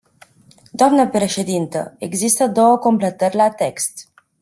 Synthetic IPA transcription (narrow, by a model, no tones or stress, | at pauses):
d̪oamnəpɾe̞ʃe̞d̪int̪ə̰eɡzist̪əd̪o̞wəko̞mplet̪ərʲlat̪e̞kst̪